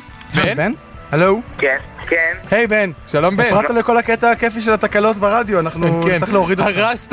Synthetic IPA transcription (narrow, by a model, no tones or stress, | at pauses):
beben | helowkenkenhe̞jbenʃalombefʁaalako̞laket̪aːkefiʃ̬elat̪akalo̞t̪beʁad̪joanaχnukileoʁid̪ʁast